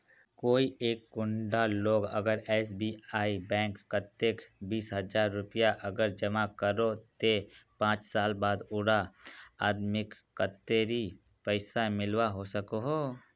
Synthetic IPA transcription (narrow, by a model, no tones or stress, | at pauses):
koːieːkːʊɳɖaloːɡə̰ɡəɾɛːs̬biaːibɛ̃ːŋkːət̪ːekbiːsɦəd͡ʒaːɾːʊpijaʔəɡəɾd͡ʒəmakəɾot̪epãːt͡ʃsaːlbaːd̪ʊɽaaːd̪mɪkkːət̪ːeɾi | pəɪsamɪlwaɦosəkoɦoː